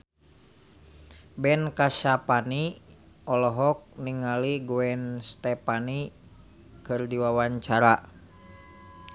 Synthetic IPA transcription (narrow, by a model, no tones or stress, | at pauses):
bɛnkaʃapani | ɔlɔɦɔk̚niŋaliɡuɛnst̪ɛpani | kɨrdiwawaɲt͡ʃaɾa